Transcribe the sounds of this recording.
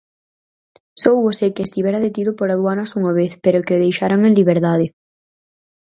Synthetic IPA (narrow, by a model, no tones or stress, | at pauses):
sowβosekeːst̪iβɛɾaðet̪iðʊpoɾaðwanasuŋaβeθpeɾʊkeoðejʃaɾaŋẽnliβeɾðaðe